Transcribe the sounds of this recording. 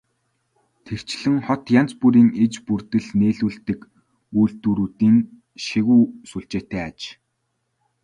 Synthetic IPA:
t̪ʰewt͡ɕɮɘ̆ŋχɔt̪jan̥t͡spuɾiːŋet͡ɕpurt̪ɘ̆ɮneːɮuːɮt̪ɘ̆k | uːɮt̪uːɾuːt̪iːŋ | ʃiɣuːsuɬt͡ɕeːt̪æːat͡ɕ

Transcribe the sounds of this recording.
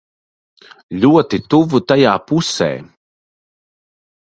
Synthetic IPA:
ʎʲuɔt̪it̪uvut̪ajaːpusɛ̰ː

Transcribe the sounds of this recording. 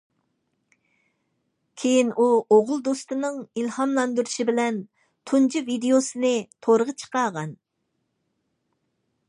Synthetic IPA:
kʲʰejinʔuoʁʊlˠd̪ost̪ɨnɨŋilhɑmlˠɑnd̪uɾuʃibɪlɛn | t̪ʰund͡ʒʰivid̪eosɨnɨt̪ʰoɾəʁət͡ʃʰə̥qɑʁɑn

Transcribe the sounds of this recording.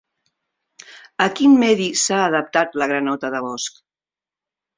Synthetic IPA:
əkinmɛðisaːðəp̚t̪at̪ləɣɾənɔt̪əðəβɔsk

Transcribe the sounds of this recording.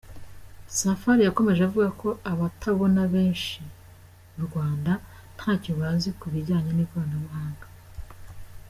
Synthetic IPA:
safaɾijako̞me̞ʒeavuɡakʰo̞aβatʰaβo̞naβe̞ːnʃi | muɾɡwaːnda | n̥haːciβaːzikuβiɾɟaːɲaniɡaːnaβuɦaːŋɡa

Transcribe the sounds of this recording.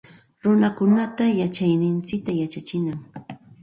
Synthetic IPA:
ɾʊnakʊnat̪ajat͡ʃajnɪnt͡sɪk̚t̪ajat͡ʃat͡ʃɪnaŋ

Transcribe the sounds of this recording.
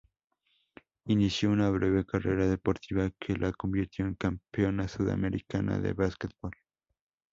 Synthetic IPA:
inisjounaβɾeβe̞kare̞ɾaðepo̞ɾt̪iβakʰelʔako̞mbiɾt̪joeŋkampeo̞nasuða̰meɾikana̰ðe̞̰βasket̪̚bol

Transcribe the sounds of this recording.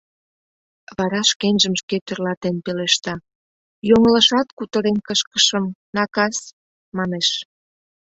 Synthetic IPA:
βɑɾɑʃkenʲʒəmʃket̪ørlɑt̪enpeleʃt̪ɑ | joŋələʃɑt̪kut̪əɾenkəʃkə̥ʃəmnɑkɑs | mɑneʃ

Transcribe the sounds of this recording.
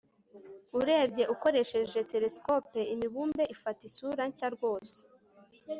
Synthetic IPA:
uɾe̞ːbɟe̞ʔuko̞ɾe̞ʃe̞ʒe̞te̞ɾe̞skopeimiβuːmbe̞ʔifatisuɾaɲcaɾɡwo̞ːse̥

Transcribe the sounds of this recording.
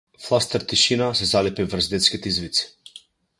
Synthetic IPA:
flˠast̪ɛɾt̪iʃinasɛzalɛpivrzd̪ɛt̪skʲit̪ɛizvit̪si̥

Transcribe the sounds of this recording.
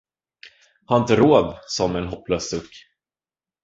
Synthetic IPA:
haɾɪnt̪əɾoːd̪sɔmɛnɦɔpːløːsd̪ɵkː

